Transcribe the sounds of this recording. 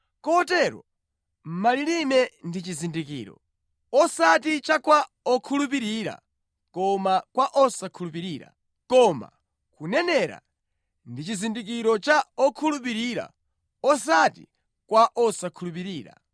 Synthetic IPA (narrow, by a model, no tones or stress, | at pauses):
kɔtɛɾɔ̰ | m̩malilimɛndit͡ʃizindikḭːɾɔ̰ | ɔsatit͡ʃakwa | ɔkʰulup̬iɾiɾa̰ | kɔmakwaʔɔsakʰulupiɾiːɾa̰ | kɔma̰ | kunɛnɛɾa̰ | ndit͡ʃizindik̬iɾɔt͡ʃaɔkʰulup̬iɾiːɾa̰ | ɔsatḭ | kwaʔɔsakʰulup̬iɾiːɾa̰